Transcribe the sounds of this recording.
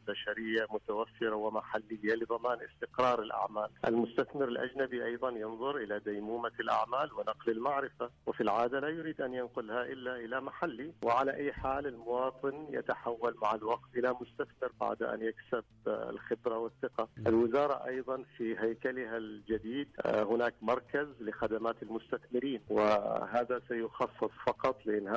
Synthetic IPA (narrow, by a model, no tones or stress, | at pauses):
baʃaɾɪjːamʊt̪awafːɪɾawɪmaħalːɪjːalɪðˤɑmaːnʔɪst̪ɪqɾˤɑːɾˤɪlʔa̰ʕmaːlʔɪ̰lmʊst̪aθmɪɾɪlʔa̰d͡ʒnabiʔɑjðˤɑnjɨnðˤʊɾʔɪlad̪ajmuːmalʔa̰ʕmaːlwɪnɑqlɪlmaʕɾɪfawɪfilʕaːd̪alaːjʊɾiːd̪ʔanjɪnqʊlhaʔɪlːaʔɪlamaħalːiwɪʕalaʔajːħaːlɪlmʊwɑːt̪ˤɨnja̰t̪aħawːalmaʕalwɑqt̪ʔɪlamʊst̪aθbɪɾba̰ʕd̪ʔa̰njaksɪbɪ̰lxɪbɾawɪθːɪqaʔɪlwɪzɑːɾˤɑʔɑ̰jðˤɑnfiɦajkalɪɦald͡ʒad̪iːd̪hʊnaːkmɑɾˤkazlɪxad̪amaːt̪ɪlmʊst̪aθmɪɾiːnwɪɦaːðasajʊxɑsˤːɨsˤfɑqɑt̪ˤlɪʔɪnːha